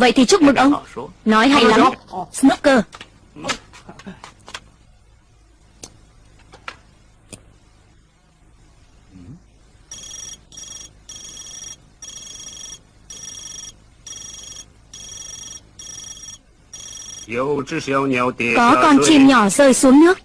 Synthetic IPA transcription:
və̰˧˨jt̪ʰi˨˩t͡ɕʊ˦˥k͡p̚mɨ˨˩ŋʔə˧wnɔ˨˦jɦa̰˧˨jla˨˦msnɨ˦˥p̚kəː˧ | jə˧wt͡ʃə˧wɲɛ˨˧˩wt̪i˨˩kɔ˨˦kɔ˧nt͡ɕi˧˩mɲɔ˧˩zəː˧˩jsu˨˦əŋnɨ˦˥ək̚

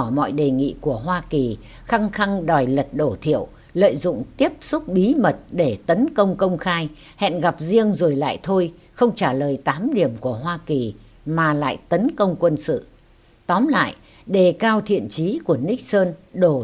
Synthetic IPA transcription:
mɔ̰˧˨jɗe˨˩ŋḭ˧˨ku˧˩əɦwaː˧ki˨˩ | xa˧ŋxa˧ŋɗɔ˨˩jlə˨˩t̚ɗo˧˩t̪ʰḭ˧˨əw | lə̰ː˧˨jzʊ̰˧˨ŋ͡mt̪i˦˥əp̚sʊ˦˥k͡p̚ɓi˨˦mə˨˩t̚ɗe˧˩t̪ə˨˦nkə˧wŋ͡mkə˧wŋ͡mxaː˧j | hɛ̰˧˨nɣa˨˩p̚zi˧əŋzo˨˩jla̰ː˧˨jt̪ʰo˧j | xə˧wŋ͡mt͡ɕaː˧˩ləː˨˩jt̪aː˨˦mɗi˧˩əmku˧˩əɦwaː˧ki˨˩ | maː˨˩la̰ː˧˨jt̪ə˨˦nkə˧wŋ͡mkwə˧nsɨ̰˧˨ | t̪ɔ˨˦mla̰ː˧˨j | ɗe˧˩kaː˧wt̪ʰḭ˧˨ənt͡ɕi˨˦ku˧˩əni˦˥k̚səː˧nɗo˧˩

